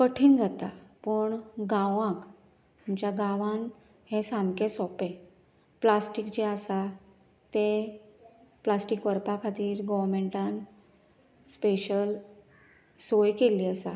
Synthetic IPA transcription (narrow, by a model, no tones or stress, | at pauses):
kəʈʰiːnd͡zat̪apəɳɡãʋãk | umt͡ɕjaɡaʋãn | hẽsamkẽsɔpẽ | plasʈikd͡ʑeəsa | t̪e | plasʈikʋəɾpakʰat̪iːɾɡɔʋɾmeɳʈãn | speɕəl | sojkeliːəsa̰